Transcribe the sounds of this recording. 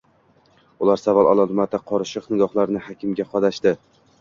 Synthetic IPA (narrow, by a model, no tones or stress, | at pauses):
ʊlaɾsavɒlˠɒlˠɒlmat̪aqʰɒɾʃɪqnɪɡɒhlˠaɾnɪhɒkʲʰɪmɡʲaqʰɒd̪aʃd̪ɪ